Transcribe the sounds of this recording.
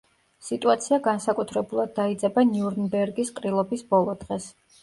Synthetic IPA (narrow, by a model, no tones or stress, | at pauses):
sit̪ʼuat̪sʰiaɡansakʼut̪ʰɾɛbulˠad̪̚ːaid̪zʼɛbaniuɾnbɛɾɡisqʼɾilˠɔbisbɔlˠɔd̪ʁɛs